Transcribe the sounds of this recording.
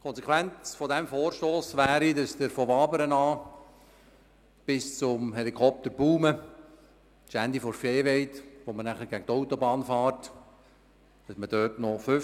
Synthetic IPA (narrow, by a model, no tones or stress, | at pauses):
kʰɔnsɛkʰwænt͡sfɔdɛmfoːɾʃtoːsʋæːɾidɑsd̥əɾfɔʋɑːbəɾənɑː | b̥ɪst͡sʊmɦɛlikʰɔp̚t̪əɾbuːmə | ʃænd̪ifɔɾfeːʋɛɪtʋomənæχəɾɡæɡətɔʊt̪ɔbɑːnfɑːrt | d̥ɑsməd̥œtnɔfʏ